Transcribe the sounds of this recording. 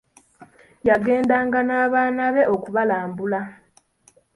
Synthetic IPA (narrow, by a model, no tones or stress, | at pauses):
jaɡe̞ːndaːŋɡanaːβaːnaβe̞ʔo̞kuβalaːmbula